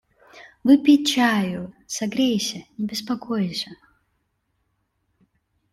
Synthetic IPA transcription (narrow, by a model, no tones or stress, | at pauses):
vɨpʲit͡ʃʰajʊsɐɡɾʲejsʲɐnʲɪbʲɪspakʰojsʲɐ